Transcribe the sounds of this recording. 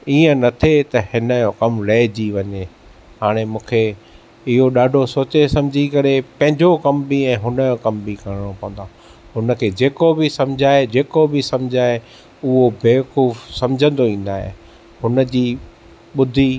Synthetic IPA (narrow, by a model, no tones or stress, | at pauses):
iːə̃nɐt̪ʰet̪ɐhɪnəjokɐmlɐːd͡ʑiʋɐɲe | haːɽ̃emũːkʰe | ɪɦoɗaːɖʱosoːt͡ɕesɐ̃md͡ʑʱikɐɾepɐ̃ɦɪ̃ɲd͡ʑokɐmbiɛ̃ːɦʊnəjokɐmbʱikɐɽɪɽ̃opɐ̃ʋə̃nd̪a | ɦʊnə̆kʰeːd͡ʑeːkobɪsɐ̃md͡ʑʱaːed͡ʑeːkobɪsɐ̃md͡ʑʱaːɦe | ʊɦobeːkuːfsɐ̃md͡ʑʱə̃nd̪oĩːn̆d̪aːɦḛ | hʊnə̆d͡ʑiː | ɓʊd̪ʱi